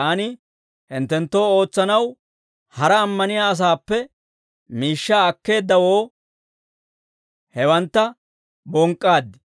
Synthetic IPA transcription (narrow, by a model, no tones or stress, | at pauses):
anɪ | hɪnt̪ːɛnt̪ːo̞ːo̞ːt͡sːɐnɐw | hɐɾɐːmːɐnɪjaːɐs̬aːpːɛ | miːʃːaːkːe̞ːd̪ːɐwo̞ː | hɛwɐnt̪ːɐ | bɔŋkʼːaːd̪ːɪ